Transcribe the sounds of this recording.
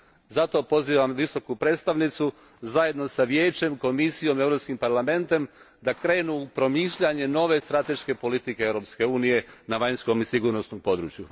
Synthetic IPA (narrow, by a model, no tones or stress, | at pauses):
zat̪o̞po̞ziːʋamʋiso̞kupɾeːt̪st̪aʋnit̪su | zaje̞d̪no̞saʋje̞ːt͡ɕe̞mko̞misijo̞mevɾo̞pskimpaɾlame̞nt̪e̞m | d̪akɾe̞ːnupɾo̞miːʃʎaɲe̞no̞ʋe̞st̪ɾat̪e̞ʃke̞po̞lit̪ikeeʋɾo̞ːpske̞uːnije̞naʋaɲsko̞misiɡuːɾnosnompo̞d̪ɾṵːt͡ʃju